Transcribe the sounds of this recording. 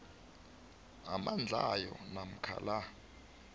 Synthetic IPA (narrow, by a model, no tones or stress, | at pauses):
amand͡ɮʱajɔnam̩kʰa̰la